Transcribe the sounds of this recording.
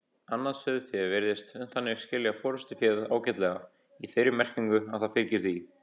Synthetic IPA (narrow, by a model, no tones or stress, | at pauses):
anːaðsœðfjɛvɛɾðɪst̪ɛnθanːɪɾ̥scɪːljɣafɔːɾʏst̪ɪfjɛːða̰ːwcɛt̪lɛɣa | iθejɾɪmɛr̥ciŋkʏaðθaðfɪɾcɪɾ̥θi